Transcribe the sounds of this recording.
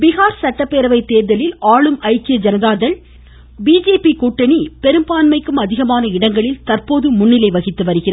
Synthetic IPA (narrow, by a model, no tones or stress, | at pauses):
bɪɣaːɾsɐʈːɐpːeːɾɐʋɐɪt̪ːeːɾðɐlɪlaːɭɯmʔɐɪkːɪjɐd͡ʒɐnɐðaːðɐɭ | biːd͡ʒeːpikuːʈːɐɳipɛɾɯmbaːnmɐɪkːɯmɐðɪɣɐmaːnɐɪɽɐŋɡɐɭɪlt̪ɐrpoːðɯmʊɳːɪlɐɪʋɐɣɪt̪ːɯʋɐɾɯɣɪrɐ